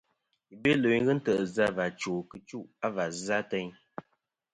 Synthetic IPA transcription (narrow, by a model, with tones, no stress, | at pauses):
i˨be˦lo˨ɣə˦n̩˦tə˨ʔə˨za˦va˨t͡ʃoː˨kɨ˨t͡ʃu˦˨ʔa˦va˨za˦tɛ˦ɲ